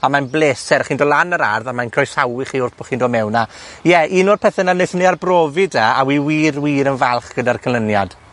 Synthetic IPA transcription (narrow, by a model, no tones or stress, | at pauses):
amanblˠeːsɛɾχiːndɔːlˠanəɾarðamankʰrɔjsawɪχiːʊrθb̥ɔχiːndɔːmɛwnajɛʔinɔrpʰɛθɛnanejθəniarbrɔːvɪdɛawiwiːrwiːɾənvɛlˠχɡ̥ədarkʰəlˠənjad̥